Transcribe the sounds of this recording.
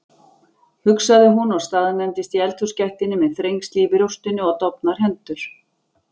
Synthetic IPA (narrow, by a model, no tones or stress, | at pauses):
hʏksaðɪɦunɔɣst̪aːðnɛnt̪ɪst̪iɛlt̪ʰʏ̥scaht̪ɪnɪmɛðθɾejŋkst̪liːvɪɾuwst̪ʏnːʏɔɣt̪ɔpnaɾ̥ɦɛnt̪ʏɾ̥